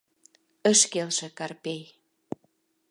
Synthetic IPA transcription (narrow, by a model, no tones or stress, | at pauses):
ə̆ʃkelʃĕkɑrpej